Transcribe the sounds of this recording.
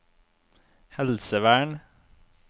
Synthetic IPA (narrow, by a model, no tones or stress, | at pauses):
hɛlsəʋæːɳ